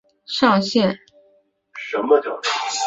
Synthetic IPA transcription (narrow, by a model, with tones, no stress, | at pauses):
ʂɑ˥˧ŋɕjɛ˥˩n | ʂə˧˥nmə˧t͡ɕjɑ˥˩ʊ˥˩